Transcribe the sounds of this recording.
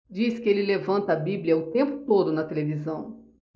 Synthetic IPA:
d͡ʒiskɪelɪlevɐ̃nt̪ɐːbibliɐʊt̪ẽmpʊ̥t̪od̪ʊnɐt̪elevizɐ̃w̃

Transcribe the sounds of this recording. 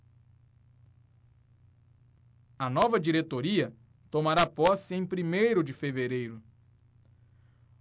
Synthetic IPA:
ɐnɔvɐd͡ʒiɾet̪oɾiɐ | t̪omaɾapɔsɪẽj̃pɾimejɾʊd͡ʒɪfeveɾejɾʊ

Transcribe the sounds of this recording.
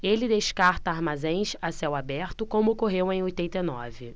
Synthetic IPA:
elɪd̪eʃkaɾt̪ɐaɾmazẽj̃ʃasɛwabɛɾt̪ʊkõmʊokoɦewẽj̃ojt̪ẽnt̪enɔ̰vɪ

